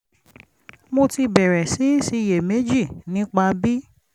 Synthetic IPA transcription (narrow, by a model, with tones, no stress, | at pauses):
mo˧ti˧bɛ˨ɾɛ˨si˨˦si˧˦˧je˨me˨˦d͡ʒi˦˨nĩ˨˦k͡pa˧bi˦